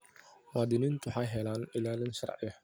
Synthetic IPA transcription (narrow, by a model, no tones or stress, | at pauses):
waːd̪ɪniːnt̪ʰʊħɑjɦɛlaːnɪlaːlɪnʃɐ̰rˤʕɪjɐh